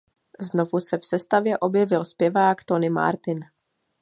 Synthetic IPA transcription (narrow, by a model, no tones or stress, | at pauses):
zno̞vusɛfsɛst̪avjɛʔo̞bjɛvɪlspjɛvaːkt̪o̞nɪma̰ɾt̪ɪn